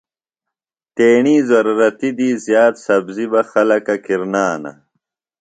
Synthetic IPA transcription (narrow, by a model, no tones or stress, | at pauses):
t̪eːɳiːzɐɾuɾɐt̪id̪izjaːt̪sɐbzibɐxɐlɐkɐkiɾnaːnɐ̰